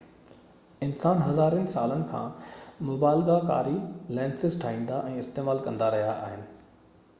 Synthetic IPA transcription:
ɪnsaːnɦɐzaːɾənɪ̆saːlənɪ̆kʰã̰ːmʊbaːɪlɡaka̰ːɾilɛ̃ːnsɪzʈʰaːɦĩːnd̪aʔɛ̃ːɪst̪eːmaːlkɐ̃nd̪aɾɐɦijaʔaːɦɪnɪ̆

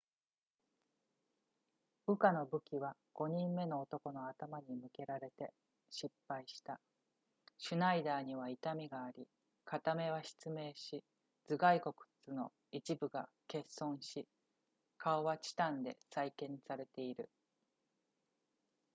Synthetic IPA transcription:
b̥ɯ̟kano̞bɯ̟kʲiβa | ɡ̥o̞ɲ̟ĩmːe̞no̞ːt̪o̞ko̞no̞at̪amaɲ̟imɯ̟ke̞ɾaɾe̞t̪e̞ | ɕipːaiɕi̥t̪a | ɕɨnaid̪aːɲ̟iβ̞ait̪amʲiɡaːɾʲi | kat̪ame̞β̞aɕi̥t͡sɨme̞ːɕi | d͡zɨɡaiko̞kɯ̟̥t͡sɨno̞̰ | it͡ɕibɯ̟ɡake̞sːõ̞ɰ̃ɕi | kʰaoβat͡ɕi̥t̪ãnd̪e̞̰saikẽ̞nsaɾe̞t̪e̞iɾɯ̟̰

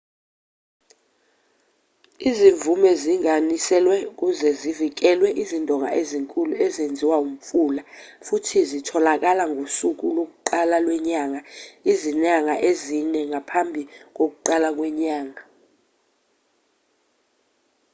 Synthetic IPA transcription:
iziɱvumɛziŋanisɛlwɛuk̬ʼuzɛzivik̬ɛlwɛʔizindʱɔŋa̰ʔeziŋkʼuluɛzend͡zʱiwaum̩fuːla | futʰizitʰɔlak̬alaŋʱosuk̬ulok̬uǃalalwɛɲaŋaizinaŋaʔezinɛŋapʰambʱik̬ok̬uǃalak̬wɛɲaːŋa

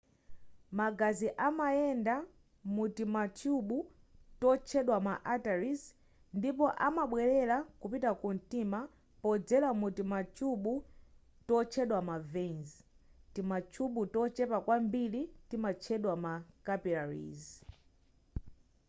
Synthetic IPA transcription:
maɡaziʔamajɛnda | mutimat͡ʃʰuɓu | tɔt͡ʃʰɛɗwamaʔataɾis | ndipɔʔamaɓwɛɾɛlakupitakun̩tima | pɔd͡zɛlamutimatʰuɓu | tɔt͡ʃʰɛɗwamavɛnz | timat͡ʃʰuɓutɔt͡ʃɛpakwambilitimat͡ʃʰɛɗwamakapilaɹḭz

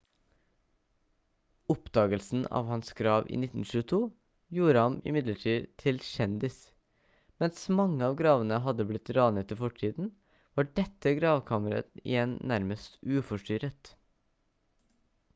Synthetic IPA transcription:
ɔpd̪ɑːɡəlsn̩ɑ̰ːʋhɑnsɡɾɑːʋʔḭːnɪt̪ːn̩ʃʉːət̪ʰuː | juːɾəhɑmɪ̰mɪd̪ləʈʰiːd̪t̪ʰɪlʃɛnd̪ɪs | mɛnsmɑŋːəɑːʋɡɾɑːʋənəɦɑd̪ːəblɪt̪ːɾɑːnət̪ːəfɔʈʰiːd̪n̩ | ʋɑːɖɛt̪ːəɡɾɑːʋkʰɑːməɾə̰ɪ̰jɛnnːæɾməst̪ʉːfɔʂʈʏɾət̪

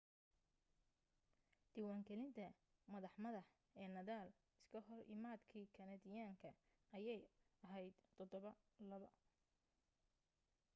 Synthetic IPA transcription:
d̪̥iwaːŋkɛlɪnt̪ʰɐ | mɐðɑħmɐðɐħ | ɛːnɐðaːl | ɪskʰɐɦɔrʔɪ̰maːd̪kʰiːkʰɐnɐd̪ɪjaːŋkʰɐ | ɐjɛjɐɦɛjd̪̥t̪ʰɔd̪ɔβɐlɐβɐ

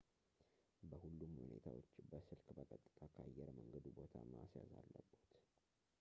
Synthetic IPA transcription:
bəhulːumhune̞t̪ʰawo̞t͡ʃːbəsɨlkbəkʼət̪ʼːɨ̥t̪ʰʼakʰəajːɛɾməŋɡəd̪ubo̞t̪ʰamasjazalːəbːut̪

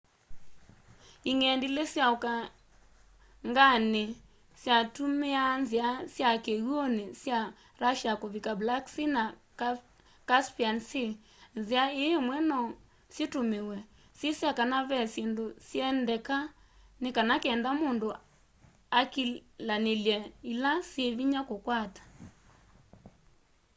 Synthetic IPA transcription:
iŋɛndilesjaoka | ŋɡane | sjatumeanziasjakeɣwonesja | ɾaʃjakoβikablaksina | k | kaspiansi | nziaeemwɛnɔ | setomewɛ | sjesjakanaβɛsendosjɛndɛka | nekanakɛːndamondo | akilaneljɛilaseβiɲakokwatḁ

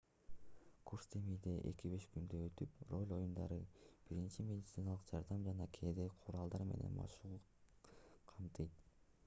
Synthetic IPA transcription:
kuɾst̪ʰemijd̪e̞ʔe̞̰kiβe̞ʃkynd̪øøt̪ypro̞lʲo̞jund̪ɑ̰ɾɯb̥iɾint͡ʃimʲe̞dʲit̪sɨnɑlˠɯqd͡ʒɑɾd̪ɑmd͡ʒɑnɑkʰed̪eqʰʊɾɑlˠd̪ɑɾme̞̰ne̞̰nmɑ̰ʃuu | qʰɑmt̪ɯjt̪̚

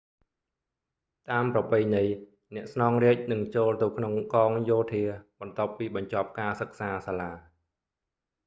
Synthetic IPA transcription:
t̪aːmprɑpɨjnɨj | nɛ̆əʔsnɑːŋriəc̚nɨŋt͡ɕoːlt̪ɨwkʰnoŋkɑːŋjoːt̪ʰiəɓɑnt̪ŏəpːiːɓɑɲt͡ɕɑ̆p̚kaːsək̚saːsaːlaː

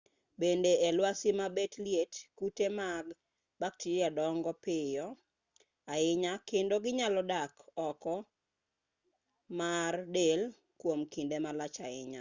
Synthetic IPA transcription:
bendeɛlwasɪmabetljetkutemaɡ | bak̚tiɾiadɔŋɡɔpɪjɔ | aɪɲakendoɡɪɲalɔdakɔkɔ | mardel | kwomkindemalat͡ʃaɪɲa

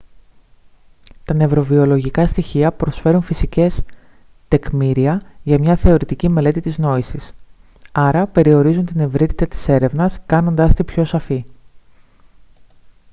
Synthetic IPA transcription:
t̪ɐne̞vɾo̞vio̞lo̞ʝikɐst̪içiɐpɾo̞sfe̞ɾunfisice̞s | t̪e̞kmiɾiɐʝɐmɲɐθe̞o̞ɾit̪icime̞le̞t̪it̪izno̞isis | ɐɾɐpe̞ɾio̞ɾizunt̪ine̞vɾit̪it̪ɐt̪i̥se̞ɾe̞vnɐskɐno̞nd̪ɐst̪ipço̞sɐfi

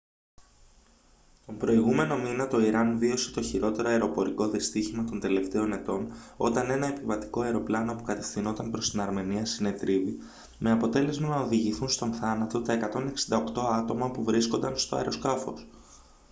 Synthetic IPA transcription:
t̪o̞mpɾo̞iɣume̞no̞minɐt̪o̞iɾɐnvio̞se̥t̪o̞çiɾo̞t̪e̞ɾo̞ɐeɾo̞po̞ɾiko̞ðist̪içimɐt̪o̞nd̪e̞le̞ft̪e̞o̞ne̞t̪o̞no̞t̪ɐne̞nɐe̞pivɐt̪i̥ko̞ɐeɾo̞plɐno̞pukɐt̪e̞̥fθino̞t̪ɐnpɾo̞st̪inɐɾme̞niɐsine̞t̪ɾivi | me̞ɐpo̞t̪e̞le̞zmɐnɐoðiʝiθunst̪o̞nθɐnɐt̪o̞t̪ɐe̞kɐt̪o̞ne̞ksi̥nd̪ɐo̞kt̪o̞ɐt̪o̞mɐpuvɾisko̞nd̪ɐnst̪o̞ɐ̰eɾo̞skɐfo̞̰s

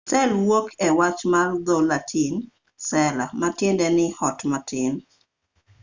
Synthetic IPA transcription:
sɛlwokʰɛwat͡ʃmald̪ɔlatʰin | sɛlamatɪndɛnɪhɔtmatɪn

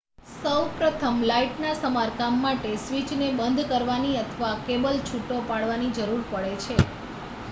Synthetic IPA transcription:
səwpɾət̪ʰəmlaiʈnasəmaɾkamːaʈesʋit͡ʃnebənd̪ʱkəɾʋaniət̪ʰəʋakebəlt͡ʃʰuʈːopaɽʋanid͡ʒəɾuɾpəɭet͡ʃʰe

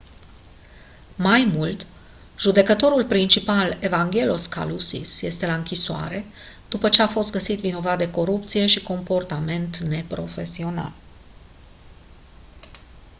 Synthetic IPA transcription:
majmult̪ | ʒud̪e̞kət̪o̞ɾulpɾint͡ʃipale̞vaŋɡʲe̞lo̞ska̰lusḭsje̞st̪e̞laɨŋkʲisoa̰ɾe̞d̪̥upət͡ʃe̞afo̞st̪̚ɡəsit̪vino̞vat̪̚d̪e̞ko̞ɾup̚t̪sije̞ʃiko̞mpo̞rt̪ame̞nt̪ne̞pɾo̞fe̞sio̞na̰l

